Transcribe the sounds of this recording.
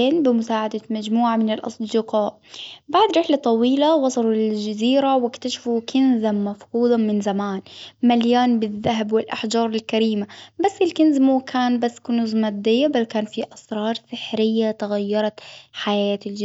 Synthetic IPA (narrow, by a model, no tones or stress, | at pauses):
eːnbɪmʊsaːʕad̪amad͡ʒmuːʕamɪnɪlʔɑ̰sˤd̪ɪqɑːʔ | baʕd̪ɾɪħlat̪ˤɑwiːlawɑsˤɑlʊld͡ʒaziːɾawɪkt̪aʃḁfukʰɪnzammafquːd̪ˤɑmɪnzamaːnmaljaːnbɪðːaɦabwɪlʔaħd͡ʒɑːɾˤɪlkaɾiːmabasːɪlkɪnzmuːkʰaːnbasːkʊnuzmaːd̪ɪjːabalkaːnfiʔɑsɾˤɑːɾˤsɪħɾɪjːat̪aɣajːɑɾˤɑt̪ħajaːt̪ɪld͡ʒ